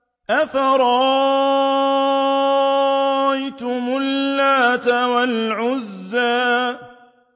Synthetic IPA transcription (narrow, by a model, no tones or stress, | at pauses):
ʔafaɾˤɑ | ʔajt̪ʊmʊlːaːt̪awalʕʊzːaː